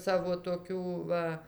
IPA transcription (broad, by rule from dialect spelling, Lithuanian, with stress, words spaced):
ˈsɑːʋoː toːˈkʲuː ˈʋɐ